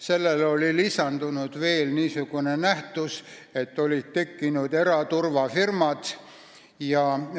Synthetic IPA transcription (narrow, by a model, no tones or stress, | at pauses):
se̞lːelo̞lʲilisɑnd̪̥unud̪̥ve̞ːlniːsuɡ̥une̞næht̪use̞t̪ːˑo̞lʲit̪t̪ːe̞kːinud̪̥e̞ɾɑt̪urvɑfirmɑt̪ | jɑ